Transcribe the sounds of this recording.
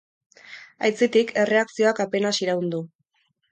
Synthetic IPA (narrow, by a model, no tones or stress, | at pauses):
ajt͡sit̪ikʰe̞re̞aksio̞akape̞nasiɾawnd̪u